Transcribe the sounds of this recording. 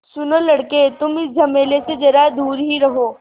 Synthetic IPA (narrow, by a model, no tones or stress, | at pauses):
sʊnolɐɽket̪ʊmɪsd͡ʒʱɐmeːlesed͡ʒɐɾad̪uːɾɦiɾɐɦoː